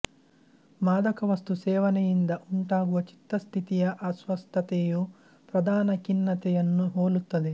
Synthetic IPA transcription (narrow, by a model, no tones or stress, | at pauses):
maːd̪ɐkɐʋɐst̪usɛːʋɐnejind̪ɐʔuɳʈaːɡuʋɐt͡ʃi̥t̪ːɐst̪ʰit̪ijɐʔɐsʋɐst̪ʰɐt̪eːju | pɾɐd̪ʱaːnɐkinːɐt̪ɛjɐnːuɦoːlut̪ːɐd̪i